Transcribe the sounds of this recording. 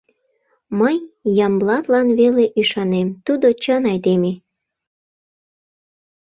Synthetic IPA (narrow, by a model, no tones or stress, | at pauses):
məjjɑmblɑt̪lɑnβeleʔyʃɑnemt̪ud̪ot͡ɕənɑjd̪eme